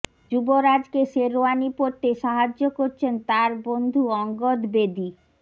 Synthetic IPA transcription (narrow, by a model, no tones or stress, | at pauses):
d͡ʑuboɾad͡ʑkeʃeɾoanipoɾt̪eʃaɦad͡ʑːokoɾt͡ɕʰent̪aɾbond̪ʱuɔŋɡod̪bed̪i